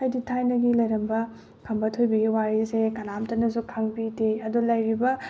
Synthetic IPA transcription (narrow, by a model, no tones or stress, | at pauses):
ɐjditʰajnɐɡilɐjɾɐmbɐ | kʰɐmbɐtʰojbɐɡiwaɾisekɐnamtɐnɐzukʰaŋbideɐdulɐjɾibɐ